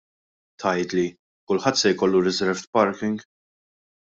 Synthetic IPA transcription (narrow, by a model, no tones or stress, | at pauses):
t̪ʰɐjt̪li | kʊlħɐt̪ːsɛjkɔlːuɾɪzɛɾvt̪pɐɾkɪŋɡ